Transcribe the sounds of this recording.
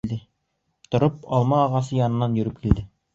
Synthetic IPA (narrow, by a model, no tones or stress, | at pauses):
ld̪ɘ | t̪ŏɾɤp̚ɒlˠmɑːʁɑsɤjɑnɤ̆nːɑnjɵ̆ɾɘp̚kild̪ɘ